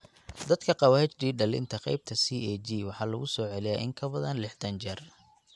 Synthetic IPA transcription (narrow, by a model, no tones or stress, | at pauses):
d̪ɐd̪kʰɐqɑwaːhɪt͡ʃɖ̪iːɖɐlɪ̰nt̪ʰɐqɛ̰jb̚t̪ʰɐsiːɛd͡ʒiːwɑħɑːlɐɣʊsɔːʕɛlɪjaʔɪ̰ŋkʰɐbɐðɐnlɪħd̪ʰɐnt͡ʃɐr